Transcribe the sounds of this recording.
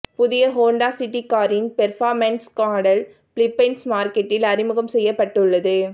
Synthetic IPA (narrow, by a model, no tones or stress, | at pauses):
pʊðɪjɐɦoːɳɖaːsɪʈːikːaːɾɪnpɛɾfaːɾmɐnskaːɽɐl | plɪpːɛnsmaːɾkɛʈːɪlɐɾɪmɯɣɐmsɛjːɐpːɐʈːɯɭːɐðɯ